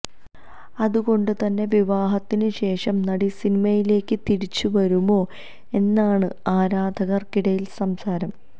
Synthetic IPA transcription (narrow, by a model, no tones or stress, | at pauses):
ɐðuɣo̞ɳɖɨt̪ɐnːe̞ʋiʋaːɦɐt̪ːinɨɕe̞ːʂɐmnɐɽisinimɐjile̞ːkːɨt̪iɾit͡ɕːuʋɐɾumo̞ː | e̞nːaːɳɨaːɾaːd̪ʱɐɣɐrkiɽɐjilsɐmsaːɾɐm